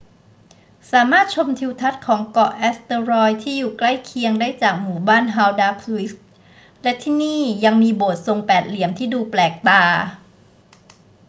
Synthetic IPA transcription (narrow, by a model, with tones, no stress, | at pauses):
saː˩˦maː˥˩t̪̚t͡ɕʰo˧mt̪ʰi˧wt̪ʰa˦˥t̪̚kʰɔː˩˦ŋkɔ˨˩ʔɛː˦˥st̪ɤː˧ɾɔː˧jt̪ʰiː˥˩juː˨˩kla˥˩jkʰi˧əŋdaː˥˩jt͡ɕaː˨˩k̚muː˨˩baː˥˩nɦaː˧wdaː˧kʰwi˦˥s̚ | lɛ˦˥t̪ʰiː˥˩niː˥˩ja˧ŋmiː˧boː˨˩t̪̚so˧ŋpɛː˨˩t̪̚li˩˦əmt̪ʰiː˥˩duː˧plɛː˨˩k̚t̪aː˧